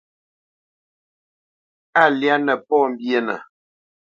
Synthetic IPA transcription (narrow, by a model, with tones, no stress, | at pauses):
a˦˨lja˦nə˨pɔ˦˨m̩˦bje˦nə̰˨